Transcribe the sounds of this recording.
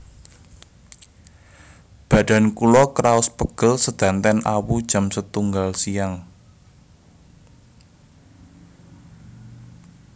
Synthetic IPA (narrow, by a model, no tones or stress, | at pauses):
b̥a̤d̥a̤nkulɔkɾaʊspəɡ̥ə̤lsəd̪̥ä̤nt̪ɛnʔa̰wud̥ʒ̥a̤msət̪uŋɡalsijaŋ